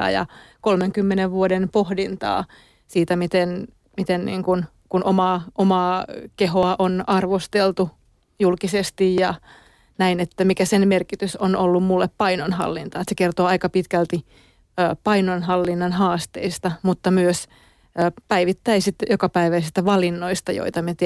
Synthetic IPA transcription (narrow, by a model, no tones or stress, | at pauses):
ɑ̰jɑ̰kolmeŋkymːeneʋʋuodenpohdint̪ɑ̰ː | siːt̪æmit̪en | mit̪ennḭːŋkun | kunʔomɑːʔomɑːkehoɑʔonɑrʋost̪elt̪u | julkisest̪ijjɑ | næinet̪ːæmikæsenmerkit̪ysonolːummulːeppɑinonɦɑ̰lːint̪ɑːt̪sekert̪oːɑikɑpit̪kælt̪i | øːpɑinonɦɑlːinːɑnɦɑːst̪eist̪ɑmut̪ːɑmyøs | øːpæiʋit̪ːæisit̪ːjokɑpæiʋæisist̪æʋɑlinːoist̪ɑjo̰it̪ɑmet̪